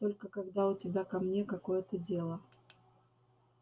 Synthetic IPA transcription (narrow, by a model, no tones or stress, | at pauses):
t̪olʲkəkɐɡd̪aʊtʲɪbʲakɐmnʲekɐkojət̪ədʲelˠə